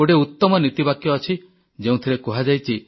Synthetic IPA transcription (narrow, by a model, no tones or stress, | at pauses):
oɽeut̪ːɔmɔnit̪ibakjɔːt͡ʃʰi | d͡ʒeũt̪ʰiɾekɔɦad͡ʒajt͡ʃʰi